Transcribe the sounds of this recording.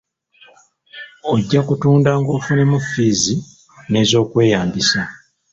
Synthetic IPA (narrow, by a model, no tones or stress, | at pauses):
oɟːakutuːndaŋɡofune̞mufiːzi | ne̞ːzo̞ːkwe̞ːjaːmbisa